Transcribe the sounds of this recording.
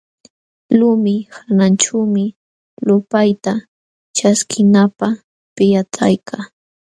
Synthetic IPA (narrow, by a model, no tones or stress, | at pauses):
lʊmɪhananʈ͡ʂawmɪ | lʊpajt̪a | t͡ʃaskʰɪnapa | pɪjat͡sa̰jkʰaː